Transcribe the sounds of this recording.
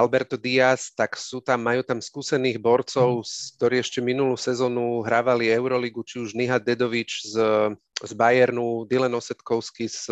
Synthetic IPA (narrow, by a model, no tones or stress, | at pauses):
albɛɾt̪ɔd̪iast̪aksuːt̪amːajuːt̪amskuːsɛniːɣbɔɾt͡sɔʊsk̚t̪ɔɾiːɛʃcɛminuluːsɛzɔːnuɦɾaːʋaliɛʊɾɔliɡut͡ʃiuʒniɦad̪ɛd̪ɔʋit͡ʃz | zbajɛɾnud̪ilɛnɔsɛt̪kɔʊskis